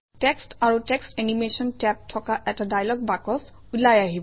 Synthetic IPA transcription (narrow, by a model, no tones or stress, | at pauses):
tɛkstaɹutɛkstenimesɔntɛp̚tʰɔkaʔɛtadajlɔɡ̚bakɔs | ulajaɦibɔ